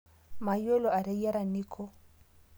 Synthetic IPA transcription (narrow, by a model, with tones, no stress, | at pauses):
ma˨jo˦lo˨a˨ɾe˦ja˦ɾa˨ni˦kʰo˦